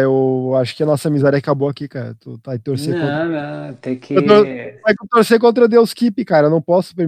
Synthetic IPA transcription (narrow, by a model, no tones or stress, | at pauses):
ewaʃʊ̥kɪɐnɔsɐmizɛɾɐkaboakikaɾɐ̰t̪ʊt̪aɪt̪oɾsekõnɐ̃t̪ẽkʰet̪oɾaket̪oɾsejk̬õnt̪̬ɾɐd̪ewskipɪkaɾewnɐ̃w̃pɔsʊ̥peɾm